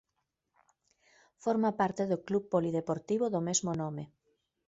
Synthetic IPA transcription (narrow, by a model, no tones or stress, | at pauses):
foɾmapaɾt̪eðoklupːolið̞epoɾt̪iβoðomezmonome